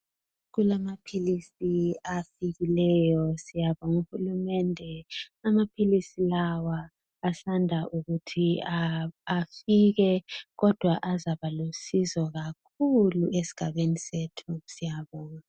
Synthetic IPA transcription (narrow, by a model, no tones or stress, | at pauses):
k̬ulamapʰilisiafik̬ilɛjɔsijaɓɔŋuhulumɛndʱɛamapʰilisilawaː | sandʱaʔuɣ̬utʰiaː | fik̬ɛk̬ɔd̥ʱwaʔazaɓalusizɔk̬akʰuluʔesi̥ɡ̥ʱaɓenisetʰusijaɓɔːŋa